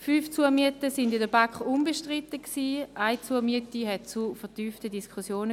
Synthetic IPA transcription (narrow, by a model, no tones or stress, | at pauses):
fyft͡suɐmiətəsɪndɪndəbakχunbəʃtʁitəksiːaɪt͡suɐmiətiɦɛt̚t͡sufəɐtyːftədiskʰχusjoːnə